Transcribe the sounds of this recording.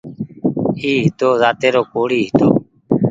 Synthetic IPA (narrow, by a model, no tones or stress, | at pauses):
iːɦɪt̪oːzaːt̪eːɾoːkoːɽiːɦɪt̪o̰ː